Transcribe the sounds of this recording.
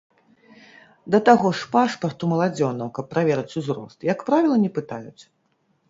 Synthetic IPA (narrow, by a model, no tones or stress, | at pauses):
d̪ɐt̪aɣɔʂpaʂpɐrt̪umɐlˠad͡zʲɔnɐwkɐpːɾavʲɛɾɐt͡sʲuzɾɔ̰st̪jɐkpɾavʲilˠɐnʲɛpɨt̪ajut͡sʲ